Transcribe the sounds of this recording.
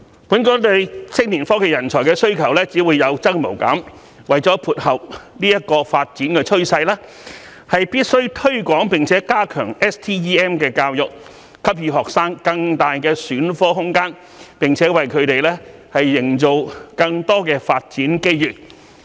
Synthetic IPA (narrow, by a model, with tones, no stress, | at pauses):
puː˨˥nkɔː˨˧le˨˧jsʰɪ˥k̚niː˨˩nfɔː˥kɛ˨jɐ˨˩nt͡sʰɔː˨˩jkɛː˧sɵ˥ɥkʰɐ˨˩wlɛː˥t͡siː˨˥wuː˨˧jɐ˨˧wt͡sɐ˥k̚mo̰˨˩wkɐ̰ː˨˥m | wɐ˨jt͡sɔː˨˥pʰuː˨˩t̚hɐ˨w̚niː˥jɐ˥t̚kɔː˧faː˧t̚t͡siː˨˥nkɛː˧t͡ʃʰɵ˥ɥsɐ˧jlɛː˥ | hɐ˨jpiː˥t̚sɵ˥ɥt̪ʰɵ˥ɥkʷɔː˨˥ŋpɪ˨ŋt͡sʰɛː˨˥kaː˥kʰœː˨˩ŋɛː˥st̪ʰiː˥jiː˥ɛː˥mkɛː˧kaː˧wjʊ˨k̚ | kʰɐ˥p̚jyː˧ɦɔː˨k̚saː˥ŋkɐ˧ŋt̪aː˨jkɛː˧syː˨˥nfɔː˥ɦʊ˥ŋkaː˥n | pɪ˨ŋt͡sʰɛː˨˥wɐ˨jkʰɵ˨˧˥t̪e˨jlɛː˥hɐ˨jːɪ˨˩ŋt͡so˨wkɐ˧ŋt̪ɔː˥kɛː˧faː˧t̚t͡siː˨˥nke˥jjyː˨˩t̚